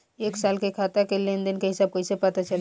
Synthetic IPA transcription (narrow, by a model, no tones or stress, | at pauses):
eːksaːlkekʰaːt̪akelẽnd̪ənkeɦɪsaːb̚kojsepət̪at͡ʃɐl